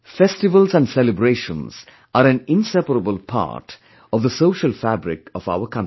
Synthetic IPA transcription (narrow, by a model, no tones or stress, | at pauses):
fɛsʈɪʋəlzæ̃nɖsɛlɪbɾeːʃə̰̃nz̥ | ʔaɾæ̃nɪ̃nsɛpəɾəbəlˠpʰa̰ɾʈ | ɔvd̪əsoːʃəlfæbɾɪ̰kɔva̰ʊəɾkʰʌ̃n